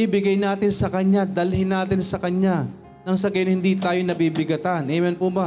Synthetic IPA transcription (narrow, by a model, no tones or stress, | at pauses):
ibɪɡɐjnaːt̪ɪnsɐkɐɲad̪ɐlhɪnaːt̪ɪnsɐkɐɲa | nɐŋsɐɡɐjnhɪnd̪it̪aːjonɐbibɪɡɐt̪anʔɛjmɛnpuba